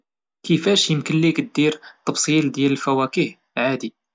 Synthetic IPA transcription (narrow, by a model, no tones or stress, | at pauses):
kəfæʃjəmkəlːikd̪iɾt̪ˤːɑbsˤild̪jæləlfæwækih | ʕad̪i